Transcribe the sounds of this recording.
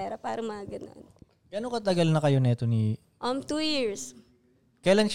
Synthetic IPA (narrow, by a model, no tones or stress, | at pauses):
ɛːɾɐpa̰ːɾɐŋmɐaɡɐno̰n | ɡ̥ɐnoŋkɐt̪ɐɡɐlnɐkɐjonɛt̪oni | ʔɐmt̪uːjiɹs | kɐjlɐnk